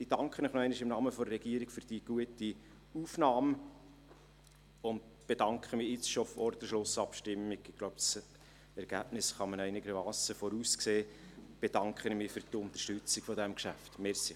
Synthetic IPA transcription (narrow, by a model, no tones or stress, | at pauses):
id̥ɑŋkχənɪχnɔɛɪnɪʃɪmnɑːməfɔdərːɛɡiəɾiɡ̥fʏɾd̥iəɡ̥uəti | uːfnɑːm | ʊnd | b̥ed̥ɑŋkχəmiːɪt͡sʃofɔɾt̪əʃlʊsɑpʃtɪmːiɡɪɡ̥lowps | ɛɾɡ̥æb̥nɪsχɑmənɛɪnɪɡəɾmɑːsəfɔɾuːskseːb̥ed̥ɑŋkχənmɪːfʏɾdʊnt̪ə̥rʃtʉt͡siɡfɔdæmkʃæftmɛɾsi